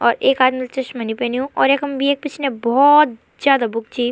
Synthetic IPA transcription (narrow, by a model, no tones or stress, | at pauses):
ɔːɾeːkaːd̪milt͡ʃɐʃmɐnipɛːniũʔɔːɾeːkɐmbʱieːk̚pɪt͡ʃʰnebɔt̪̚ | zjaːd̪abʊk̚t͡ʃiː